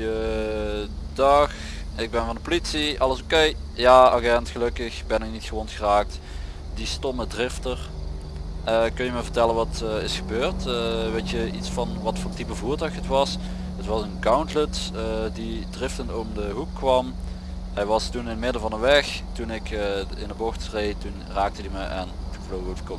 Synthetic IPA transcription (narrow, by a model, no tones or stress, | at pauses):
ə | dɑx | ɪɡ̚bɛnvɑndəpolitsiʔɑləsokejjaːaɡɛntxəlɵkəxbɛnɪk̚nitxəʋonxəraːk̚t | distɔmədrɪftər | əkɵnjəməvəɹtɛlənʋɑtːɪsxəbøːrtʋetjəʔitsfɑnʋɑtfʊːtipəvuːɹtœɥxətʋɑs | ɦətʋɑsənkawntlətədidrɪftəntowvədəɦukːʋɑm | ɦɛjʋɑstunɪnəmɪdəvɑndəʋɛxtunɪkɪndəboxtrejtun | raːk̚tədiməʔɛ̰nəvlowəkko